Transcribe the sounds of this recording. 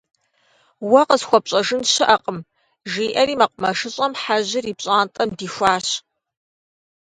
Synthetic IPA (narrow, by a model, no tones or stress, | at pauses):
wɐqəzxʷɔpɕʼɐʒɨnʃɪʔɐqʼəm | ʒiːʔɐɾiːmɐqʷʊmɐʂɨɕʼɐmħaʑɪriːpɕʼaːntʼɐmdiːxʷaːɕ